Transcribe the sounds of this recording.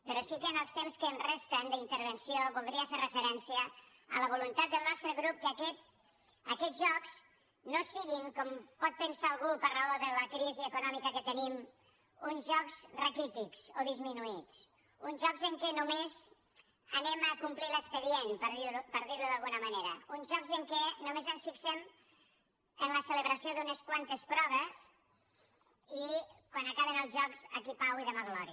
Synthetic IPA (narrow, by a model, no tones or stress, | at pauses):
pəɾɔsikənəlˠst̪emskəːnrest̪ənd̪əint̪əɾβənsioβulˠd̪ɾiəferəfəɾɛnsiə | ələβ̞ulunt̪at̪̚d̪əlˠnɔst̪ɾəɣɾup̚kəkɛt̪ | əkɛdʒɔks | nosiɣiŋkɔmpɔt̪̚pənsaːlˠɣupəraoðələkɾiziəkunɔmikəkət̪ənim | unzʒɔkz̥rəkɾit̪ikz̥oðizminuit͡s | unzʒɔkzəŋkɛnumez | ənɛməkumpliləspəðjɛnpəɾðiupəɾðiɾluðəlˠɣunəməneɾəunzʒɔkzəŋkɛnumezənsfiksɛm | ənləsələβɾəsioðunəskwant̪əspɾɔβ̞əz | ikwanəkaβənəlˠzʒɔkzəkipawiðəmaɣlɔɾi